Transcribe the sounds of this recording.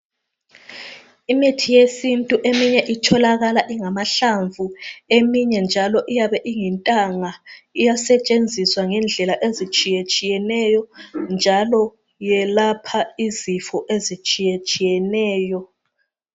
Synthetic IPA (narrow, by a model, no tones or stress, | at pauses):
imitʰijesintʼuʔemiɲɛʔitʰɔlaɣalaʔiŋamaɬaɱvʱuemiɲɛnd͡ʒʱalɔʔijaβɛʔiŋɛntʼaŋaijasɛt͡ʃʼend͡zʱiswaŋɛnd͡ɮʱɛlaʔezit͡ʃʼijet͡ʃʼijɛnɛjɔnd͡ʒʱalɔ | jɛlapʰaizifɔʔezit͡ʃʼijet͡ʃʼijɛnɛːjɔ